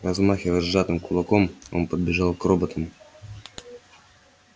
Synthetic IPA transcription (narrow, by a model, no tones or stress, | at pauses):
rɐzmaxʲevɐzːat̪ɨmkulˠɐkomonpəd̪bʲɪʒɑlˠkrobət̪əm